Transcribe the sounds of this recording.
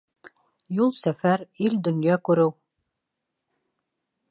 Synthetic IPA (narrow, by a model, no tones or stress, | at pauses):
julˠsæfæɾild̪ɵ̆njɑkʉɾɘw